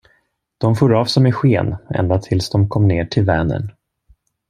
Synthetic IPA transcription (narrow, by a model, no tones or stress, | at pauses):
d̪̥ɔmfoːɾɑːvsɔmɛɧeːnɛ̰nd̪at̪ʰɪlsd̪ɔmkʰɔmːneːʈʰɪlvɛːnə̰ɳ